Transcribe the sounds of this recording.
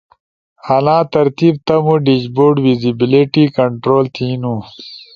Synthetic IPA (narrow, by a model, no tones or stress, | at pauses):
ɐlãːt̪ɐɾt̪ib̚t̪ɐmuɖid͡ʑboːɖwizibiliʈikɐɳʈɾoːlt̪ʰiːnũ